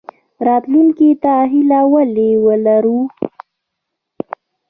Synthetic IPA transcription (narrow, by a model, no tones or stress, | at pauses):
ɾɑt̪luŋkit̪aɦilawəlewəlaɾu